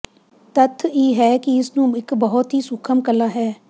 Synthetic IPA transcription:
t̪ət̪ʰːiːɦɛːkɪɪsnũːɪkbəɦʊt̪ɦiːsʊkʰəmkəlaːɦɛː

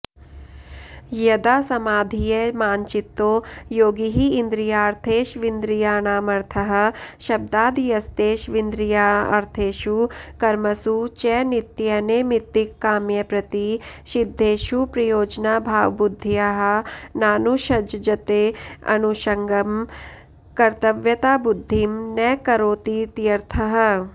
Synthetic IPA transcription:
jɐd̪aːsɐmaːd̪ʱijɐmaːɲt͡ʃit̪ːoːjoːɡiɦiːnd̪ɾijaːɾt̪ʰeːʃʋind̪ɾijaːnaːmɐɾt̪ʰɐɦɐ̆ʃɐb̚d̪aːd̪ijɐst̪eːʃʋind̪ɾijaːɐ̰ɾt̪ʰeːʃukɐɾmɐsut͡ʃɛːnit̪jɐneːmit̪ːikːaːmjɐpɾɐt̪iʃid̪ʱːeːʃupɾɐjoːd͡ʒnaːbʱaːʋbud̪ʱːijaɦɐnaːnuʃɐd͡ʒd͡ʒɐt̪eːɐ̰nuʃɐŋɡɐm | kɐɾt̪ɐʋjɐt̪aːbud̪ʱːimnɛːkɐɾoːt̪it̪jɐɾt̪ʰɐɦɐ̆

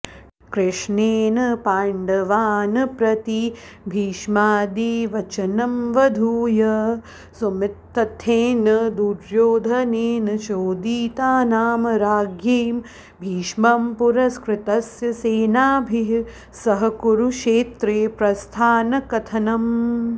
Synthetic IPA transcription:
kɾɪʂneːnɐpaːɳɖɐʋaːnɐpɾɐt̪i | bʱiːʃmaːd̪iʋɐt͡ʃɐnɐmʋɐd̪ʱuːjɐ | sumɪt̪ːɐt̪ʰeːnɐd̪uɾjoːd̪ʱɐneːnɐʃoːd̪iːt̪aːnaːmɐɾaːɡjeːm | bʱiːʃmɐmpuɾɐskɾɪt̪ɐsjɐseːnaːbʱiɦ | sɐɦɐkuɾuʃʂeːt̪ɾeːpɾɐst̪ʰaːnɐkɐt̪ʰɐnɐm

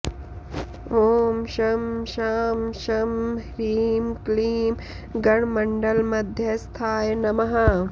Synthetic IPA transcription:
oːmʃɐmʃaːmʃɐmɾiːmkliːm | ɡɐɳmɐɳɖɐlmɐd̪ʱjɐst̪ʰaːjnɐmɐɦɐ

